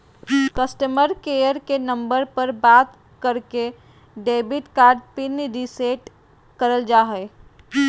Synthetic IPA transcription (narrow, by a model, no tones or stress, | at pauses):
kəsʈəməɾkejəɾkenə̃mbəɾpəɾbaːt̪ | kəɾke | ɖeːbɪʈkaːɾɖpinɾiseːʈ | kəɾəld͡ʒaːɦɛː